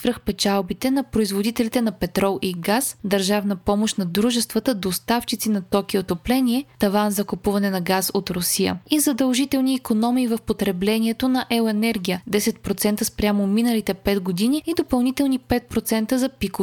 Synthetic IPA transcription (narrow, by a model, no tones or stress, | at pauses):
vɾɤxpɛt͡ʃalˠbit̪ɛnɐpɾoizvod̪it̪ɛlit̪ɛnɐpɛt̪ɾɔlˠʔiɡasd̪ɐɾʒavnəpɔmoʃt̪nɐd̪ɾuʒɛst̪vət̪əd̪ost̪aft͡ʃit̪sinɐt̪ɔkiot̪oplɛniɛt̪ɐvanzɐkopuvɐnɛnɐɡasot̪ɾosijə̰izɐd̪əlˠʒit̪ɛlˠniːkonɔmiːvɐfpot̪ɾɛblɛniɛt̪onɐʔɛʊɛnɛɾɡ̟ʲijəd̪ɛsɛt̪pɾot̪sɛnt̪əspɾʲamominəlit̪ɛpɛt̪ɡod̪iniːd̪opɐlˠnit̪ɛlˠnipɛt̪̚pɾot̪sɛnt̪əzɐpiko